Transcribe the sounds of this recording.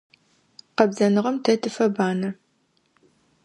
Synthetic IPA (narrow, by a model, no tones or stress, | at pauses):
qɐbzɐnɨʁɐmtʰɐtʰɨfɐbaːnɐ